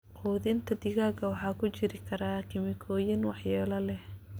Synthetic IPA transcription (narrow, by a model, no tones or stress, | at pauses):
ʔuːðɪnt̪ʰɐd̪ɪɣaːkʰɐwɑħɑːkʰʊt͡ʃɪɾɪkʰɐɾaːkʰɪmɪkʰɔːjɪnwɑħjɛːlɐlɛh